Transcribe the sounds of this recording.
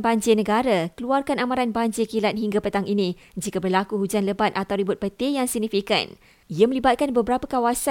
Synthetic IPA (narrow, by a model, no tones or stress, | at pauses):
baɲd͡ʒɪnə̃ɡaɾakəluarkanamãɾanbaɲd͡ʒɪkilat̪̚ɦiŋɡapət̪aŋʔinĩ | d͡ʒikabərlakuhud͡ʒanləbat̪at̪awɾibʊt̪̚bət̪ejaŋsəɡ̚nifika̰n | iəmə̃libat̪̚kanbəbəɾapəkawasa